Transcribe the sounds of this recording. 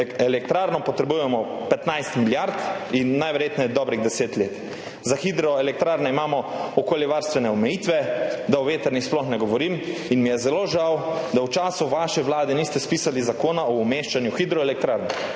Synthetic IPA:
ɛlɛk̚t̪ɾaːɾnɔpɔt̪ɾɛbujɛmɔpɛt̪najst̪miljaɾt̪inːajʋɛɾjeːt̪nɛd̪ɔːbɾiɣd̪ɛseːt̪leːt̪ | zaxid̪ɾɔɛlɛk̚t̪ɾaːɾnɛimaːmɔɔkoːljɛʋaɾst̪ʋɛnɛɔmɛjiːt̪ʋɛd̪aɔʋeːt̪ɛɾnixsplɔxnɛɡɔʋɔɾiminmijɛzɛloːʒawd̪awt͡ʃaːsuʋaʃɛʋlaːd̪ɛniːst̪ɛspiːsalizakoːnaɔːmeʃt͡ʃanjuxid̪ɾɔɛlɛk̚t̪ɾaɾnɛ

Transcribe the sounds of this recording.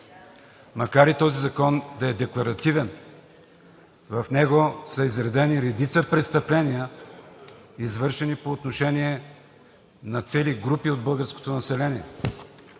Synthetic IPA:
mɐkaɾit̪ɔzizɐkɔnd̪ɐɛd̪ɛklˠɐɾɐt̪ivɛn | vɐfnɛɡosəizɾɛd̪ɛniɾɛd̪it̪səpɾɛt̪st̪ɐplɛnijə | izvɤɾʃɛnipoːt̪noʃɛniɛ | nɐt̪sɛliɡɾupiod̪̚bɤlˠɡəɾsko̥t̪onɐsɛlɛnʲiɛ̰

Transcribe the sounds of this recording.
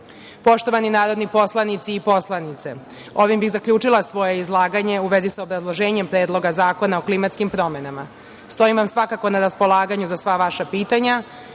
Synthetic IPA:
po̞ʃt̪o̞ʋaninaːɾo̞d̪nipo̞slˠanit̪siːpo̞slˠanit̪sḛ | o̞ʋimbixzakʎuːt͡ʂilasʋo̞je̞izlˠaːɡaɲe̞uʋe̞zisaobɾazlˠoʒe̞ːɲe̞mpɾe̞ːd̪lˠo̞ɡazaːko̞naoklimat̪skimpɾo̞me̞nama | st̪o̞imʋamsʋakako̞naɾaspo̞laːɡaɲuzasʋaʋaʃapiːt̪aɲa

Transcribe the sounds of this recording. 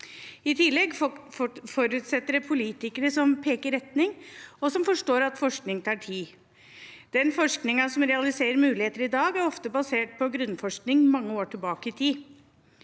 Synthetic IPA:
ɪt̪ʰɪlːɛɡ | fɔɾʉːt̪sɛt̪ːəɾpʰʊliːt̪ɪkəɾəsɔmpʰeːkəɾɛt̪nɪŋɔsɔmfɔʂʈoːɾɑt̪fɔʂknɪŋt̪ʰɑːʈʰiː | d̪̥ɛnfɔʂknɪŋɑsɔmɾɛɑlɪseːɾəɾmʉːlɪheːt̪əɾɪd̪ɑːɡæɾɔft̪əbɑseːʈ̚pʰɔɡɾʉnːfɔʂknɪŋmɑŋːəoːʈʰɪlbɑːkəɪt̪ʰiː

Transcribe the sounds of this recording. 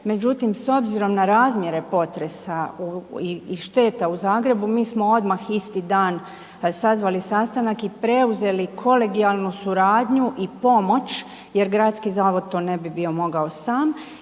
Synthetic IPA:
me̞d͡ʑut̪imso̞bziɾo̞mnaɾaːzmje̞ɾe̞po̞t̪ɾe̞sauiʃt̪e̞ːt̪auzaːɡɾe̞bumiːsmo̞o̞d̪maxist̪id̪aːn | sazʋalisast̪anakipɾe̞uze̞likʰo̞le̞ɡialˠnusuɾaːd̪ɲuʔipo̞mo̞t͡ʃ | je̞ɾɡɾat̪skizaːʋo̞d̪̚t̪o̞ːne̞bibio̞mo̞ɡao̞saːm

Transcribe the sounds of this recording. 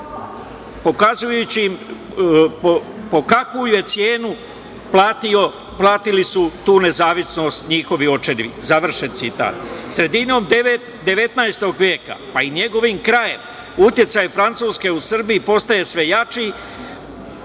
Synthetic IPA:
po̞kazujut͡ɕim | po | po̞kakʋujuje̞t̪sje̞ːnu | plaːt̪io | plˠaːt̪ilisut̪uːne̞zaːʋisno̞st̪ɲixo̞ʋio̞t͡ʃeniʋḭzaʋr̩ʃe̞nt̪sit̪a̰ːt̪sɾe̞d̪ino̞ːmd̪e | d̪e̞ʋe̞t̪naest̪o̞ɡʋʲje̞ːka̰paiɲe̞ɡo̞ʋiːmkɾaje̞m | ut̪je̞t̪sajfɾant̪suːske̞usr̩biipo̞st̪aje̞sʋe̞jat͡ʃi

